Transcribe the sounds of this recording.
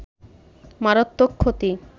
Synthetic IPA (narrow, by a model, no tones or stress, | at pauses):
maɾot̪ːokʰːot̪i